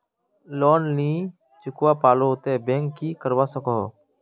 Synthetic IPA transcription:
loːnlĩː | t͡ʃʊkwaːpaːloːt̪eːbẽːŋkːiːkəɾʋaːsəkoː

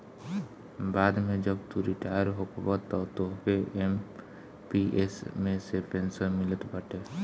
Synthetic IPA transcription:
baːd̪mẽd͡ʒəbt̪uɾɪʈaːjəɾɦokbət̪ɔt̪okeem | piʔeːsmẽsepẽnsəɾmɪlət̪bəʈeː

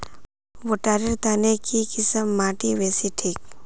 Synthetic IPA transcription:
woʈaːɾiɾt̪aːnekikɪsəmːaːʈiʋeːsiʈʰiːk

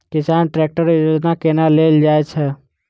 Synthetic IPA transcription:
kɪsaːnʈɾeːk̚ʈəɾɪjoːd͡ʒnakenaleːld͡ʒaːet͡ʃʰɛ

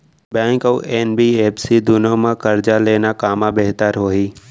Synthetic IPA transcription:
bɛ̃ːŋkoːʔeːnbieːpsid̪ʊnomãkɐɾd͡ʑaleːnakaːmãbeɦt̪əɾɦoːɦiː

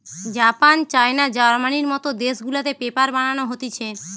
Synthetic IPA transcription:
d͡ʑapant͡ɕaenad͡ʑaɾmaniɾmɔt̪od̪eʃɡulat̪epepaɾbaɽ̃anoɦot̪it͡ɕʰe

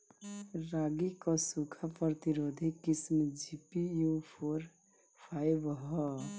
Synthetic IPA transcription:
ɾaɡikɔsukʰapɾət̪iɾod̪ʱikismd͡ʒipijupʰoɾ | pʰajbɦɔ

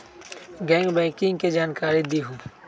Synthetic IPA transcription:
ɡɛ̃ːŋɡbɛ̃ːkɪ̃ŋɡked͡ʒaːnkaːɾid̪iɦũː

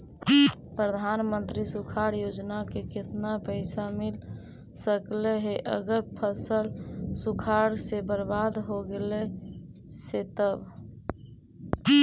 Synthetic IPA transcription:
pɾəd̪ʱanmənt̪ɾisukʰaɾjod͡ʒnakekɪt̪napəɪsamil | səkleɦeʔə̰ɡəɾpʰəsəlsukʰaɾsebəɾbad̪ɦoɡele | set̪əb

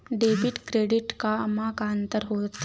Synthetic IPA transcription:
ɖeʋiʈkɾeɽiʈkaəmakaənt̪əɾɦot̪

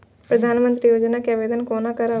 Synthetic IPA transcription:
pɾəd̪ʱaːnmənt̪ɾiːjoːd͡ʒnaːkeəʋeːd̪ənkoːnaːkəɾa

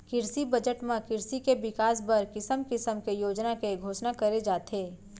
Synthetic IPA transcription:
kɪɾsibɐd͡ʒəʈmãkɪɾsikebɪkaːs̬bɐɾkɪsəmkɪsəmkejoːd͡ʒnakeɡʱoːʃnakɐɾed͡ʒaːt̪ɦeː

